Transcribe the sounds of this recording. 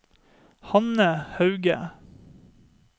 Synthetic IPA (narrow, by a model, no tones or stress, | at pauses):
hɑnəhɑʉɡə̰